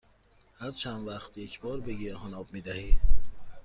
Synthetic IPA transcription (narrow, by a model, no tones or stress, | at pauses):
hæɾt͡ʃʰænvæχt̪jecʰbɒːɾbeɡeɾhɒnɒːb̚miːd̪æhi